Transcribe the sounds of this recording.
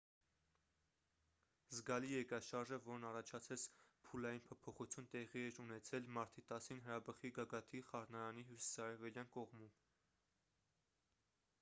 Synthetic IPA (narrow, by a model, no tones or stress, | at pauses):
zɡɑlijɛɾkɑʃɑɾʒəvɔɾnɑrɑt͡ʃʰɑt͡sʰɛt͡spʰulɑjinpʰɔpʰɔχut͡sʰjunt̪ɛʁiɛɾunɛt͡sʰɛlmɑɾt̪ʰit̪ɑsinɦəɾɑbəχiɡɑɡɑt̪ʰiχɑɾnɑɾɑniɦjusi̥sɑɾɛvɛljɑnkɔʁmum